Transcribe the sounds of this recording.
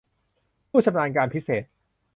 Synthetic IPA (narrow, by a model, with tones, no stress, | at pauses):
pʰuː˥˩t̪sʰa˧mnaː˧nkaː˧npʰi˦˥seː˨˩t̪̚